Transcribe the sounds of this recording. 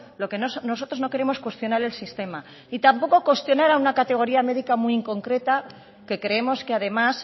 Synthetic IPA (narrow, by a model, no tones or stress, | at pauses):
lo̞ke̞nosno̞so̞t̪ɾo̞zno̞ke̞ɾe̞mo̞skwe̞st̪jo̞naɾe̞lsist̪e̞ma | it̪ampo̞ko̞kwe̞st̪jo̞naɾaunakat̪e̞ɣ̞o̞ɾiame̞ðikamuiiŋko̞ŋkɾe̞t̪a | ke̞kɾe̞e̞mo̞skeaðe̞mas